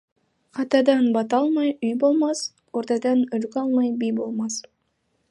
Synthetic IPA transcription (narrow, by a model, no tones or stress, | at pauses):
qʰɑt̪ɑd̪ɑnbɑt̪ɑlˠmɑjyjbo̞lˠmɑs | oɾt̪ɑd̪ɑnøɾkɑlˠmɑjbijbolˠmɑs